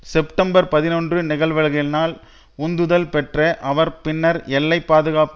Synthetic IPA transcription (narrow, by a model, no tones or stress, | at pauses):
sɛpʈɐmbɐɾpɐðɪnɔndrɯnɪɣɐɭʋɐɻɣɪlnaːl | ʊnd̪ɯðɐlpɛʈrɐʔɐʋɐɾpɪnːɐɾɛlːɐɪpːaːðɯɣaːp